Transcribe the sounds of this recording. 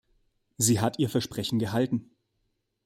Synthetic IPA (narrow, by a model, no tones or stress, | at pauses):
ziːɦatiːɐfɛɐʃpʁ̥ɛçn̩ɡəɦaltn̩